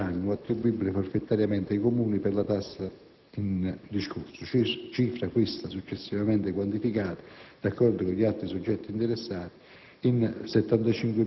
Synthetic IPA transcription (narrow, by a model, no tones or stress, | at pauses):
anːuat̪ːɾibuibːilefoɾfet̪ːaɾjamɛnt̪eikomuːniperlat̪asːa | ind̪iskuɾsʊt͡ʃit͡ʃiːfɾakwist̪asut͡ʃːesːivamɛnt̪ekwant̪ifikaːt̪ḁd̪̥akːɔrd̪ʊkoʎialt̪ɾisud͡ʒːɛt̪ːiːnt̪eɾesːaːt̪i̥ | insɛt̪ːant̪at͡ʃiŋkwe